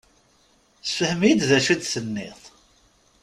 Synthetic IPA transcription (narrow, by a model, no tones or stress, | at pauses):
θfəhmijid̪ðæʃud̪θənːɪ̰θˤ